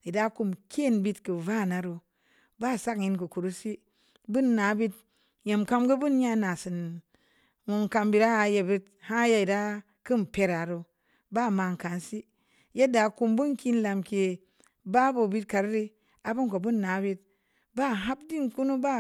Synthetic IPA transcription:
i˨da˦ku˧mkʰʲe˦˨nbi˧tkɨ˨va˦˨na˨ɾu˧ | ba˦˨sa˦kɲi˧nkɨ˨ku˨ɾu˦si˦ | bu˦nːa˨˦bi˦t̚ | je˨mka˧mɡɨ˦bu˦nɲa˦˧na˨sɨ˨n | mu˨ŋ˨ka˧mbi˧ɾa˦a˨˧je˧˨bi˦t̚ | ha˦ja˧i˨da˦ | kɨ˦m˨pe˧ɾa˨ɾo˧ | ba˦˨ma˧ŋ˨ka˨nsi˦ | je˦da˨ku˧mbu˦nki˧n˦la˨mke˨ | ba˦bo˨bi˧t̚ka˨ɾɾi˧ | a˨bu˦nko˨bu˦nːa˨˦bi˧˦t̚ | ba˦˨ɦa˦b̚di˦nku˦nu˦ba˦˨

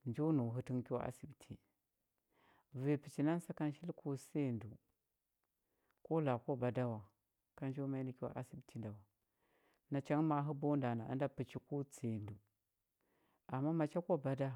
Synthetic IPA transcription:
nd͡ʒu˦nu˨ɦu˨ti˦nki˦wa̰˦ʔa̰˦si˨btʰi˨ | ve˨pi˨t͡ʃi˨na˦n˦sa˦ka˦n˦ʃi˦lku˦se˦˨ndu˨ | ko˦la˨ko˦˨ba˨da˦wa˨ | ka˦nd͡ʒo˦ma˦i˦ni˨ki˦wa̰˦ʔa˨si˦btʰi˦nda˨wa˨ | na˨t͡ʃa˦ŋma˦ɦu˦bo˦nda˨na˨a̰˦nda˦pi˨t͡ʃi˨ku˦t͡se˨ndu˨ | a˨mːa˦ma˨t͡ʃa˦ko˦˨ba˨da˦

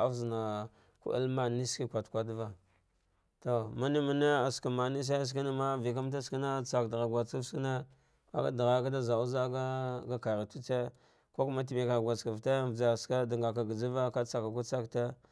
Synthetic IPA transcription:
a̰˦fzi˨na˨ | kṵ˦ʔa̰˦lma˦˨ni˦ski˦kʷa˨tkʷa˦dva˦ | to˨ma˦ni˦ma˨ne˦a˨ska˨ma˨ni˦s̬a˦a˦s̬ki˦na˦ma˦vi˨k̬a˦m˦t̬a˦ski˦na˦t͡sa˨kda˨ɣa˨ɡʷa˨t͡ska˦fski˦na˦ | ka̰˦ka˦da˨ɣa˨˦ka˦da˦za˨u˦za˦ɡa˦ɡa˦ka˨ɾa˨tu˦t͡se˦ | ko˦ku˦ma˦t̬i˨mi˨ka˨ɡʷa˨t͡ska˨vta˦vd͡za˨ska˦da˨ŋɡa˨ka˨ɡa˨d͡zi˦va˦ka˦t͡sa˨ka˨ku˦t͡sa˦kta˦

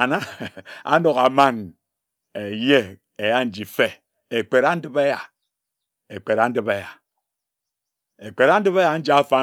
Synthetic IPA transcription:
a˨na˦a̰˦no˨ɣa˨ma˦n | e˨je˦ | e˨ja˦n̩˨˦d͡ʒi˨fe˦ | e˨k͡pe˨ɾa˦n̩˦dɨ˦be˦ja˨ | e˨k͡pe˨ɾa˨˦n̩˦dɨ˦be˦ja˨ | e˨k͡pe˨ɾa˦n̩˦dɨ˦βe˦ja˨n̩˦d͡ʒi˨˦a˦fa˦

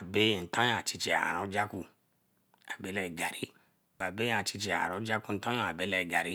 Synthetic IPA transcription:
a˨be˦˨n̩˨˦tã˦ja˨t͡ʃi˧t͡ʃe˧a̰˨a̰˨ɾɔ̃˨˦d͡ʒa˦ku˧ | a˨be˨˦lɛ˧i˨ɡa˨ɾi˦ | ba˨be˦˨a˨t͡ʃi˧t͡ʃe˧a˨a̰˨ɾɔ̃˨˦d͡ʒa˦ku˦˧n̩˦tã˦jõ˦˨a˨be˨˦lɛ˧i˨ɡa˨ɾi˨˦

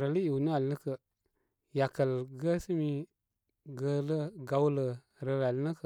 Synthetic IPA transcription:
ɾə˨lə˦ji˨wnə˦a˨lnə˦kə˨ | ja˨kə˨lɡə˦sə˦mi˦ | ɡə˧˦lə˦ɡa˨wlə˨ | ɾə˨la˨lnə˦kə˨

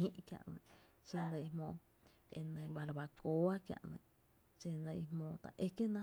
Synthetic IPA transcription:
ĩ˦ʔkja̰˨ʔnḛ̃˧ | t͡ʃe˧nd̪a˧i˧hmõ˧ | ḛ˧nẽ˧βa˧ɾβa˧ko˧˦a˦kja̰˧ʔnḛ̃˧ | t͡ʃe˧nd̪a˧i˧hmõ˧t̪a̰˨ʔe˦ke˦nã˦

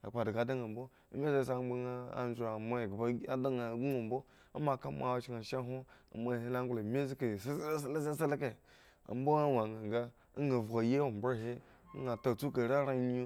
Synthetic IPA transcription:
a̰˨k͡pa˨di˨ɡa˨˦da˦ŋa˨m̩˨bo˦ | a̰˦mʲe˦ze˦˨s̬a˦˨˦ba˦ŋa˦a̰˨n˦d͡ʒa˨ma˦˨ɡba˦a˦da˦ŋa˨ɡu˦o˨m̩˨bo˦ | a̰˦ma˨ka˦ma̰˦˨wa˦t͡ʃi˦ŋa˨ʃa˦ɦo˦a̰˨ma˦˨e˦la˦ŋ˦ɡla˨mʲe˦zke˨sslsa˦sa˦lke˨ | a̰˨m̩˦bo˦a˦wa˨ŋa˨ŋ˨ɡa˦ | a˦ŋ˦a˨va˨je˦wa˨m˨bo˦ɾɦe˦ | ɡa˨ta˨t͡su˦ka˨ɾa˦ɾa˦ɲi˦u˦

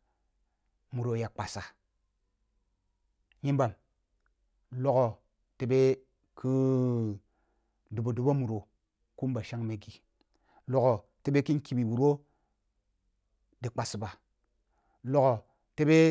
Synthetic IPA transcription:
mu˨ɾo˨ja˨k͡pa˨sa˨ | ɲi˦mba˨m | lo˦ko˨ | te˨be˦ | kʰi˦ | du˨bo˨du˨ba˦mu˨ɾo˨ | ku˦m˦ba˨ʃa˦ŋme˨ɡi˨ | lo˦ɣo˨ | te˦be˦ki˦n˦ki˨bi˨wu˨ɾo˦ | di˨k͡pa˨si˨ba˨ | lo˦ɣo˨ | te˦be˦

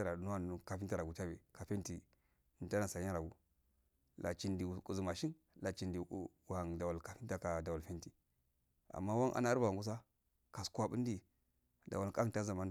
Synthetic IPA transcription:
a˦ɾa˨u˨nu˦wa˦nu˨ka˨fi˦ta˨ɾa˨ɡu˨ta˦be˨ka˨fe˦nti˨ | n˨ta˦na˨sa˨˦a˦ɾa˨ɡu˦ | la̰˨t͡ʃi˦ndi˨ku˨zu˨ma˨ʃi˦n | la˨t͡ʃi˨ndi˨u˨ha˨ŋda˨wa˨lka˨fi˦nta˨ka˨da˨wa˨lfi˦nti˨ | a̰˨mːa˦wa˦nʔa̰˨na˦ɾba˨a˨ŋɡu˦s̬a˦ | ka˨skwa˦bu˦n˦di˨ | da̰˨wa˨lka˦˨ta˦za˨ma˦n

